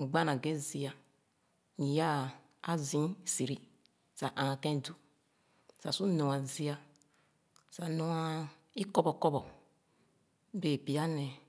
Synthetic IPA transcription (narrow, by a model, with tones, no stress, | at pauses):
ɡ͡ba˦nã˨ɡe˦zi˦a˨ | ɲi˨ja˦ | a˦zĩ˦˨si˨ɾi˦ | sa˨ʔã˨a˨kɛ̃˦˨du˦ | sa˨su˦nɔ̃˨a˨zi˦a˦ | sa˨nɔ̃˨a˦ | i˦kɔ˦bɔ˨kɔ˦bɔ˨ | be˨pi˨a˦nɛ˨